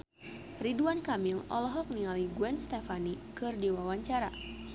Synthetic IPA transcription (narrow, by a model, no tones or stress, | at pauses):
riduankamilɔ̰lɔɦɔk̚niŋaliɡuɛnst̪ɛfani | kɨrdiwawaɲt͡ʃaɾa̰